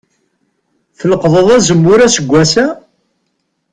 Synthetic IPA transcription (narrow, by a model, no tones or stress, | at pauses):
θələqðˤəðˤæzəmːʊɾæsəɡʷːæsæ